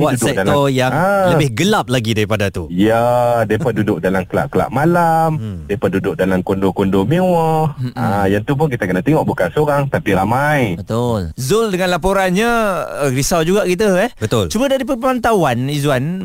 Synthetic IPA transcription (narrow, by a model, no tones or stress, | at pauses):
waʔdusdʊɛkdalɔjaŋələbɪhɡəlap̚laɡidaɾipadat̪ujadiəpədudʊk̚dalamkəla̰ʔkəla̰ʔmalamdiəpədudʊk̚dalamkondokondomiwəhəjant̪up̬ʊnk̬it̪akənaʔt̪ɛŋɔʔ̚bukansoɾaŋt̪apiɾamajbət̪ʊlzʊldəŋanlapoɾanɲaɾisawd͡ʒuɡaʔkit̪̬əɛhbət̪ʊlt͡ʃumədaɾipəpəmant̪awanizuan